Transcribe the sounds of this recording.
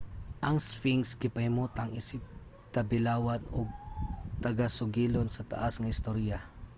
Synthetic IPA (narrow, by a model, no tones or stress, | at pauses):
ʔɐŋsfɪŋskɪpɐhɪmut̪aŋɪsɪp̚ | t̪ɐbɪlaːwanoɡ̚t̪ɐɡasʊɡiːlonsɐt̪ɐ̰ʔasŋɐɪst̪oɾija